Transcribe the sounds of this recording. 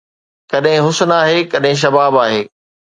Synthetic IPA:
kɐɗɦɪ̃ɦʊsʊnaːɦeːkɐɗɦɪ̃ʃ̬ɐbaːbaːɦeː

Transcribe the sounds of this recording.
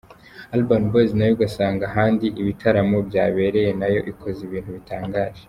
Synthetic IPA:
albanboznajoɡasaːŋɡaɦaːndiʔiβitʰaɾamobjaːβe̞ɾe̞je̞najo̞̰ʔikʰo̞ziβiːnthuβitaːŋɡaːʒe

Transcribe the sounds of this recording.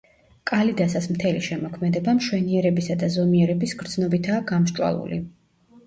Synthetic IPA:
kʼalid̪asasmt̪ʰɛliʃɛmɔkʰmɛd̪ɛbamʃwɛniɛɾɛbisad̪azɔmiɛɾɛbisɡɾd̪z̥nɔbit̪ʰaːɡamʃt͡ʃʼwa̰lˠṵlḭ

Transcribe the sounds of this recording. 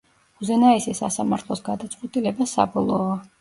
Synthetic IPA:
uzɛnaisisa̰samaɾt̪ʰlˠɔsɡad̪at̪sʼqʼwɛt̪ʼilɛbasa̰bɔlˠɔa

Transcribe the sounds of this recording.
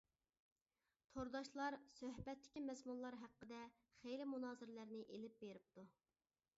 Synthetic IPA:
t̪ʰoɾd̪ɑʃlˠɑɾsøɦbɛt̪ːɪ̥kʲimɛzmunlˠɑɾɦæqːəd̪ɛ | χejlɪmunɑːzɪɾɪlæɾnɪʔelɪp̚beɾɪp̚t̪ʰu

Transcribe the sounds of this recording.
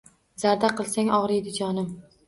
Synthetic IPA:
z̥aɾd̪aqɨlˠsaŋɒʁɾid̪ʊd͡ʒɒnɪm

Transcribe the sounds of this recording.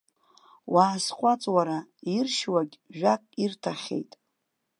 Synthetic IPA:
wʔaːsqʷʼat͡sʼwaɾairʃwaɡʲʒᶣakʼirtʰaχʲḛjtʼ

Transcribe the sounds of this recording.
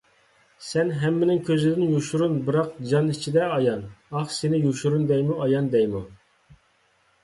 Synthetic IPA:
sɛnɦɛmːɪnɪŋkʲʰøzɪd̪ɪnjuʃuɾunbɨɾɑqd͡ʒɑnit͡ʃʰid̪ɛɑjɑnɑχsenɪjuʃuɾund̪ɛjmuʔɑjɑnd̪ɛjmu

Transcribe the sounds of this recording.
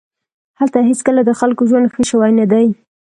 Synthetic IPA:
halt̪aɦet͡skəlad̪əxalkoʒwand̪xəʃəwajnad̪aj

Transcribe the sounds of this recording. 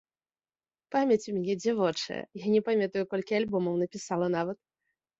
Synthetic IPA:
pamʲɛt͡sʲumʲanʲɛd͡zʲivɔt͡ʂɐ̰jɛ̰janʲɛpamʲɛt̪ujukɔlʲkʲialʲbɔmɐwnɐpʲisalˠɐnavɐt̪̚

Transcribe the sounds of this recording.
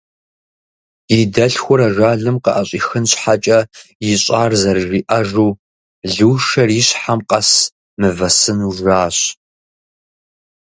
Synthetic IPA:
jɪdɐɬxʷʊɾɐʒaːɮɨmqəʔɐɕʼiːxɨnɕħat͡ʃʼɐjɪɕʼaːrzɐrɨʒiːʔɐʒuː | ɮuːʃɐriːɕħamqʼɐs | mɨvɐsɨnuʒaːɕ

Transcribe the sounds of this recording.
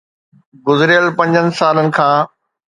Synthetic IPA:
ɡʊzɾɪjəlpɐ̃ɲd͡ʑənɪ̆saːlənɪ̆kʰãː

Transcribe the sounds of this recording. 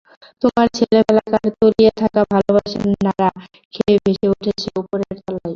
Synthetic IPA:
t̪omaɾt͡ɕʰelebɛlakaɾt̪oliet̪ʰakabʱalobaʃennaɾa | kʰebʱeʃeuʈʰet͡ɕʰeupoɾeɾt̪ɔlaj

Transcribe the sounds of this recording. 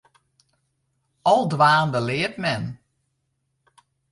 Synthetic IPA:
ɔlˠdʋaːndəlɪətmɛn

